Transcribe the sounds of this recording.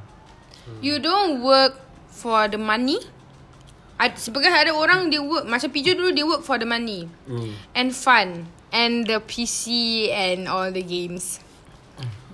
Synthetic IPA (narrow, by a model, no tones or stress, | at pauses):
judõnwək̚ | fɔdəmãni | ʔasbikɔsadəoɹãŋdewək̚mat͡ʃə̃pit͡ʃədudewək̚fɔdəmãni | ɛ̃nfãn | ɛ̃ndəpʰisiɛ̃nɔldəɡẽms